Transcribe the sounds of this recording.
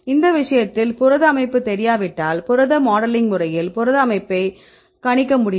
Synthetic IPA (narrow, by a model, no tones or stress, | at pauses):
ɪnd̪ɐʋɪʂɐjɐt̪ːɪlpʊɾɐðɐɐmɐɪpːɯt̪ːɛɾɪjaːʋɪʈːaːlpʊɾɐðɐmaːɽɐlɪŋɡmʊrɐjɪlpʊɾɐðɐmɐɪpːɐɪ | kɐɳɪkːɐmʊɽɪj